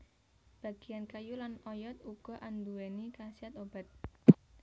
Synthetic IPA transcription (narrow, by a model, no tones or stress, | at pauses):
b̥ä̤ɡ̥i̤jankajulanɔjɔt̪̚uɡ̥ɔ̤ʔand̪uwenikasiat̪ob̥a̤t̪̚